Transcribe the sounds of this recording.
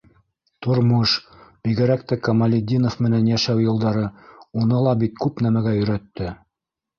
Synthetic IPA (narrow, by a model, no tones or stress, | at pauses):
t̪ŏɾmɤʃ | b̥iɡɘ̆ɾækt̪ækɐmɑlʲɪd̪ʲinofmɘ̆nænjæʃæwjŏlˠd̪ɑɾɤunɤlˠɑbit̪̚kʉpnæmæɡæjɵ̆ɾæt̪ːɘ